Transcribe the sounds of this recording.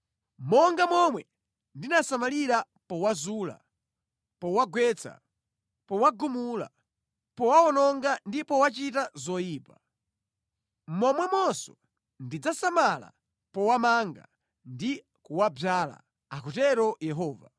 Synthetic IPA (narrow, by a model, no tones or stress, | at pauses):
mɔŋɡamɔmwɛ | ndinasamaliɾa | pɔwazuːla̰ | pɔwaɡwɛt͡sʰa̰ | pɔwaɡumula̰ | pɔwaɔnɔŋɡandipɔwat͡ʃitazɔjiːpa | mɔmwɛmɔsɔ̥ | ndid͡zasamala̰ | pɔwamaŋɡa | ndi | kuwabaːla̰ | akutɛɾɔjɛɦɔːva̰